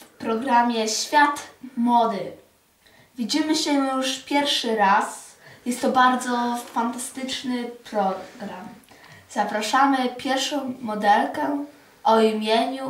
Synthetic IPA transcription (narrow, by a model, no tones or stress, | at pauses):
fpɾɔɡɾamʲjɛɕfʲjat̪mɔd̪ɘ | vʲid͡ʑimɘɕɛjuʂpʲjɛɾfʂɘɾas | jɛst̪ːɔbaɾd̪zɔfant̪ast̪ɘt͡ʂnɘpɾɔɡɾamz̥apɾaʂamɘpʲjɛɾfʂɔ̃w̃ːɔd̪ɛlkɛ | ʔɔimʲjeɲu